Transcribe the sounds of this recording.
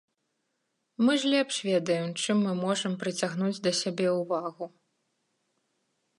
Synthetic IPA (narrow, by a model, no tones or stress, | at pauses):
mɨʐlʲɛpʂvʲɛd̪ɐjɛmt͡ʂɨmːɨmɔʐɐmpɾɨt͡sʲaɣn̪ud͡zʲd̪ɐsʲabʲɛuvaɣu